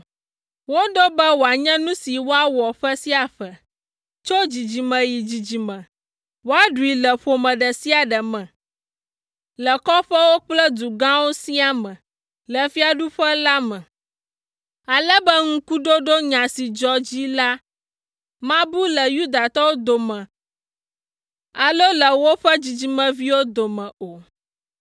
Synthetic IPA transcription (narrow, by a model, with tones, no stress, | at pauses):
wo˦ɖo˦bɛ˦wo˨a˨ɲɛ̃˦nũ˦si˨wo˦a˦wɔ˨ɸɛ˦si˦a˨ɸɛ˨ | t͡ʃo˦d͡ʑi˨d͡ʑi˨mɛ̃˨ji˨d͡ʑi˨d͡ʑi˨mɛ̃˨ | wo˦a˦ɖu˨i˨lə˨ɸo˨mɛ̃˨ɖɛ˨si˦a˨ɖɛ˨mɛ̃˨ | lə˨kɔ˦ɸɛ˦wo˦k͡plɛ˦d̪u˨ɡã˦wo˦si˦a˦mɛ̃˨ | lə˨fi˦a˨ɖu˦ɸə˦la˦mɛ̃˨ | a˨lə˦bə˦ŋ̩̃˦ku˦ɖo˦ɖo˦ɲã˨si˨d͡ʒɔ˦d͡ʑi˦la˦ | mã˦bu˦lə˨ju˦d̪a˨t̪ɔ˦wo˦d̪o˨mɛ̃˨ | a˨lo˦lə˨wo˦ɸə˦d͡ʑi˨d͡ʑi˨mə̃˨vi˦wo˦d̪o˨mɛ̃˨o˨